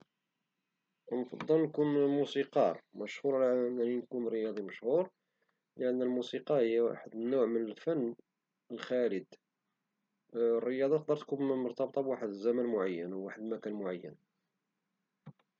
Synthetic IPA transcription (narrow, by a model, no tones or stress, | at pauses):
nfɑd̪ˤːəlnkunmusiqɑɾˤməʃhuɾˤnæninkunɾəjɑd̪ˤiməʃhuɾ | ləʔənːælmusiqɑhəjːæwa̰ħəd̪nːʊʕmənəlfænː | əlxæləd̪ | rːəjɑd̪ˤɑt̪q̚d̪əɾt̪kunmʊɾˤt̪ɑbt̪ˤɑbwaħəd̪zːæmænmʊʕajːənwwaħəd̪mækænmʊʕajːə̰n